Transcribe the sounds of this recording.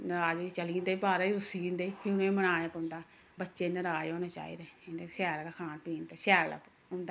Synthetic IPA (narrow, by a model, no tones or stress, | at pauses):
nəɾaːd͡ʒoit͡ʃəliːnd̪eːbaːɾaːiɾʊsiːnd̪eːpʰiːʊnõːmənaːɽ̃eːpːnd̪aː | bətːʃeːnəɾaːd͡ʒõːneːt͡ʃa̰ːḭːd̪eːnesɛːɾlakʰaːnpiːnd̪aːsɛːɾla̰ːp | ʊ̃nd̪a